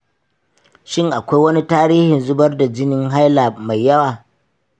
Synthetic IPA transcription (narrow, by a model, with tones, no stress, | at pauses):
ʃɪ˦˨ŋʔa˨kʷa˦jwɐ˦ni˦taː˦ɾiː˦hɪ˨nzʊ˦bɐ˦rda˨d͡ʒɪ˦nɪ˦ŋɦa˦jlaː˨ma˨jːɐ˦waː˨